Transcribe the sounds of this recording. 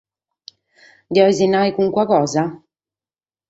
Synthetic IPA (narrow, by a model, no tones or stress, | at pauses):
d̪iɔizinːajkuŋkwakɔːza